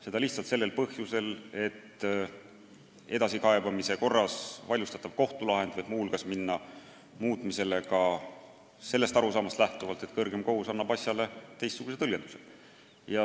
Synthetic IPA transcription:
se̞d̪ɑliht̪sɑlt̪se̞lːelpɤhjuse̞le̞t̪ː | e̞d̪ɑsikɑe̞bɑmise̞ko̞rːɑsvɑlʲjust̪ɑt̪ːˑɑv̥ko̞ht̪ulɑɦe̞nd̪̥vɑjd̪muhulɡ̥ɑsminːɑ | muːt̪ˑmise̞le̞kɑ | se̞lːe̞st̪ɑɾusɑːmɑst̪læht̪uvɑlt̪e̞t̪̚kɤrɡ̥e̞mko̞husɑnːɑb̥ɑsjɑle̞t̪e̞jst̪ːuɡ̥uset̪ɤlʲjend̪u̥sḛ̥ | jɑ

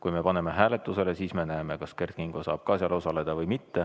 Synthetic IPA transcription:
kujme̞pɑne̞me̞ɦæːle̞t̪ːˑuse̞lesiːsme̞næeme̞kɑskert̪̚kiŋɡ̥osɑ̰ːb̥̚kɑːsjɑlosɑle̞d̪̥ɑvɤjmit̪ːe̞

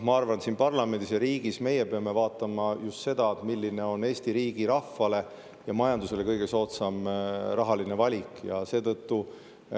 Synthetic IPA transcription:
mɑɑrvɑnsiːnpɑrlɑme̞nd̪isjɑɾiːɡ̥isme̞je̞pe̞ɑme̞vɑːt̪ːˑɑmɑjust̪se̞d̪ɑet̪milːine̞o̞ne̞ːsʲt̪iɾiːɡ̥iɾɑfːɑle̞ | jɑmɑjɑnd̪use̞le̞kɤjɡ̥e̞so̞ːt̪sɑmrɑɦɑline̞vɑlʲikjɑse̞ːt̪ɤ̞t̪ːu

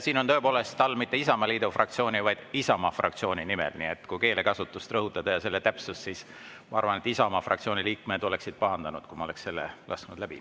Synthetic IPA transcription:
siːno̞nt̪ɤ̞epo̞ːle̞st̪ːɑlːmit̪ːeisɑmɑliːd̪̥ofrʔɑkt̪sio̞ːnʲivɑjd̪̥isɑmɑfrɑ̰kt̪sio̞ːnʲinimḛlnḭet̪ːˑkujke̞ːle̞kɑsut̪ːˑust̪rɤɦut̪ːˑɑd̪̥ɑjɑse̞lːet̪æpsussiːs | mɑɑɾvɑnet̪ːisɑomɑfrʔɑ̰kt̪sioːnʲiliːkmed̪̥o̞le̞ksid̪̥̚pɑɦɑnd̪ɑnud̪̥kumɑo̞le̞ksse̞lːḛlɑ̰sknud̪̥læb̥ḭ

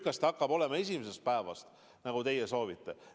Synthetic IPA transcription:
kːɑst̪ɑkːɑb̥o̞le̞mɑe̞s̬ʲimes̬est̪̚pæevɑ̰st̪ | nɑɡut̪e̞jeso̞ːvit̪ːˑe̞

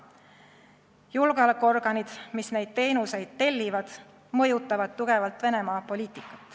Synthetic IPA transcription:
julɡ̥ɑlɑkːo̞rɡ̥ɑnid̪̥misne̞jd̪̥̚t̪e̞jnuse̞jd̪̥̚t̪e̞lʲːivɑd̪̥ | mɤjut̪ːˑɑvɑd̪̥t̪uɡ̥e̞vɑlt̪ˑve̞ne̞mɑːpo̞lʲiːt̪ikːˑɑ̥t̪ːˑ

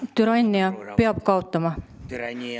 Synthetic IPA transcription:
t̪yɾɑinːeɑpeɑbkɑot̪ːɑmɑ

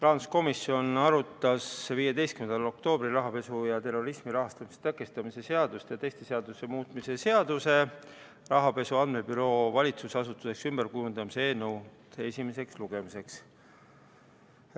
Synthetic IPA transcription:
t̪rɑnsko̞misjo̞nɑɾut̪ːˑɑsviːjed̪e̞jst̪̚kymnd̪ɑlo̞k̚t̪o̞ːb̥ɾiɾɑɦɑpe̞sujɑt̪e̞rːo̞ɾismiɾɑɦɑst̪ɑmise̥t̪ækːˑest̪ɑmise̞se̞ɑd̪ust̪jɑt̪e̞jst̪e̞se̞ɑd̪use̞muːt̪ˑmise̞se̞ɑd̪use̞ | rɑɦɑpe̞suɑnd̪me̞byɾo̞ːvɑlʲit̪susɑsut̪ːˑuse̞ksymb̥e̞ɾkujund̪ɑmise̞eːnuwt̪esʲime̞se̞ksluɡ̥e̞mise̞ks

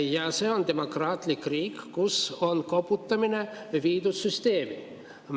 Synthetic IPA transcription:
jɑseond̪emokrɑːt̪likriːkkusonkoput̪ːɑmine | ʋiːd̪usːyst̪eːmi | m

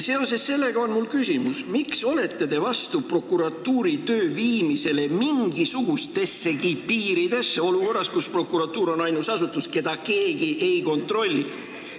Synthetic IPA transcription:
se̞o̞se̞sːe̞lːe̞ɡ̥ɑo̞nmulkysʲimusmikso̞le̞t̪ːe̞d̪e̞vɑst̪upro̞kːˑuɾɑt̪ːuːɾit̪ø̞ːviːmise̞le̞miŋɡ̥isuɡ̥ust̪e̞sːe̞kipiːɾid̪̥e̞sːeo̞luko̞rːɑskuspro̞kːˑuɾɑt̪ːˑuːɾo̞nɑjnusɑsut̪ːˑuske̞d̪̥ɑke̞ːɡ̥iʔe̞jko̞nt̪ro̞lʲːi

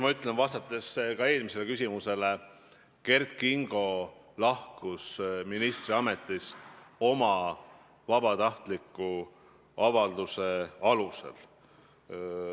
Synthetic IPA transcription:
mɑyt̪ːˑlenvɑst̪ɑt̪ːˑe̞skɑe̞ːlmise̞le̞kys̬ʲimuse̞le̞ | ke̞rt̪̚kiŋɡ̥o̞ | lɑhkusminist̪riɑme̞t̪ːˑist̪o̞mɑ | vɑb̥ɑt̪ɑht̪likːˑu | ɑvɑld̪use̞ɑlusḛl

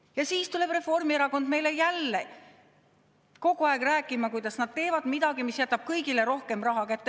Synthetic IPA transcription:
jɑsiːst̪ule̞b̥re̞fo̞rmieɾɑko̞nd̪me̞jle̞jælːe̞ | ko̞ɡ̥uɑˑeɡ̥ræːkːˑimɑkujd̪ɑsnɑd̪̥̚t̪e̞ːvɑd̪̥mid̪̥ɑɡ̥imisjæt̪ːˑɑb̥̚kɤjɡile̞ɾo̞hke̞mrɑɦɑkæt̪ˑːe

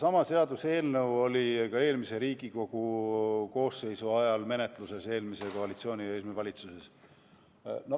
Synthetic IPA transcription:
sɑmɑse̞ɑd̪̥use̞ːlnɤwo̞lʲikɑe̞ːlmise̞ɾiːɡ̥iko̞ɡ̥uko̞ːsːe̞jsuɑjɑlme̞ne̞t̪ˑluse̞se̞ːlmise̞ko̞ɑlit̪sio̞ːnʲiesmevɑlʲit̪suse̞s | no

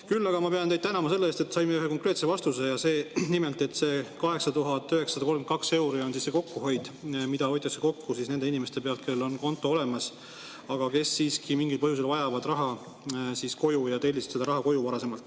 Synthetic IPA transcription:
kylːɑɡ̥ɑmɑpe̞ɑnejd̪̚t̪ænɑmɑse̞lːeeːst̪e̞t̪ːsɑjmːeyɦeko̞ŋkre̞ːt̪se̞vɑst̪use̞jɑse̞ːnimelt̪ˑe̞t̪ːˑse̞kɑɦe̞ksɑt̪uɦɑt̪ːˑyɦe̞ksɑd̪ɑko̞lmkɑkse̞wɾio̞nsisse̞ko̞kːuɦo̞jd̪̥mid̪ɑojt̪ːˑɑseko̞kːusisne̞nd̪e̞inimest̪e̞pe̞ɑlt̪̚ke̞llːo̞nko̞nt̪ːˑo̞o̞le̞mɑs | ɑɡ̥ɑke̞sːiːskimiŋɡilpɤɦjus̬e̞lvɑjɑvɑd̪rɑɦɑ | sisko̞jujɑt̪e̞lʲːisse̞d̪ɑɾɑɦɑko̞juvɑɾɑse̞mɑlt̪ːˑ

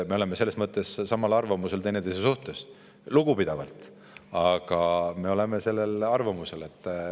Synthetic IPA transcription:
me̞o̞lemese̞lːesmɤt̪ːˑe̞sːsɑmɑlɑrvɑmuse̞lt̪e̞jnet̪ejs̬esuht̪es | luɡ̥upid̪̥ɑvɑ̰lt̪ˑ | ɑɡ̥ɑme̞o̞le̞me̞se̞lːe̞lɑrvɑmuse̞le̞t̪ːˑ

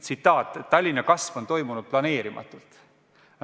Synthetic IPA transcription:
t̪sit̪ːˑɑːt̪ːˑet̪ːɑlʲːinːɑkɑsvo̞nt̪o̞jmunud̪̥̚plɑne̞ːɾimɑ̰t̪ːˑult̪

